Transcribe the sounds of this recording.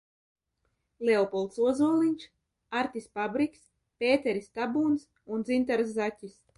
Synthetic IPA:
leɔpɔlˠt̪suɔzuɔlˠinʲt͡ʃ | aɾt̪ʲispabɾikʲs | peːt̪ɛɾist̪abuːns | und̪zint̪aɾsːacʲis

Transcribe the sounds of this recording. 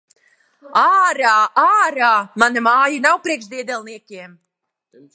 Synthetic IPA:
aːɾaːʔaːɾaːmanamaːjanawpɾiɛkʃd̪iɛd̪ɛlˠniɛkʲiɛm

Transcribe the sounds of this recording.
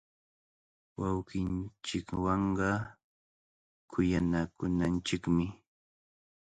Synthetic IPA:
wɑwkɪnt͡ʃɪkwɑɴɢɑ | kʰʊjanakʊnant͡ʃɪkmɪ

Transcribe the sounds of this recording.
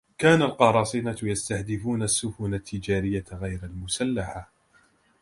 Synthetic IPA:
kaːnalqɑɾˤɑːsˤiːnajast̪ahd̪ɪfuːnasːʊfuːnat̪ʰːɪd͡ʒaːɾɪjːaɣajɾalmʊsalːaħa

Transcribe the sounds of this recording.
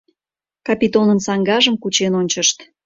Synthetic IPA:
kɑpʲit̪onənsɑŋɡɑʒəmkut͡ɕenonʲt͡ɕəʃt̪

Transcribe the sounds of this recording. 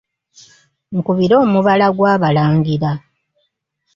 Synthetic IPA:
ŋkuβiɾo̞ːmuβalaɡwaːβalaːŋɡiɾa

